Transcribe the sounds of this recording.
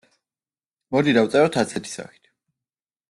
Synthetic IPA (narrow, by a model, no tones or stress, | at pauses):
mɔd̪id̪awt̪sʼɛɔt̪ʰat̪sʰɛt̪ʰi̥sa̰χi̥t̪ʰ